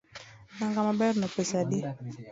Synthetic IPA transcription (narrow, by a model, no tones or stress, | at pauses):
naŋɡamabɛɾnɔpɛsadi